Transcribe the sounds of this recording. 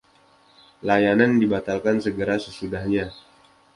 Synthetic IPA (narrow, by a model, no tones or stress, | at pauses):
lajanandibat̪alkansəɡəɾasəsudahɲa